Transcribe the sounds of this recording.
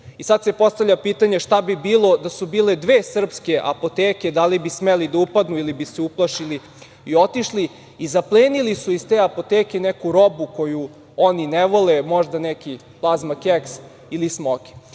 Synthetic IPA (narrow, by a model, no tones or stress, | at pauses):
isad̪sepo̞st̪avʎapiːt̪aɲeʃt̪abibiːlˠo̞d̪asubiːled̪ʋeːsr̩pskeʔa̰po̞t̪eːked̪alibismelid̪aupad̪nuilibiseuplˠaʃili | io̞t̪iʃli | izaplˠeːnilisuizt̪eːapo̞t̪eːkenɛkuɾo̞bukoju | oninɛʋo̞lemo̞ʒd̪anɛki | plˠazmakeks | ilismokʲi̥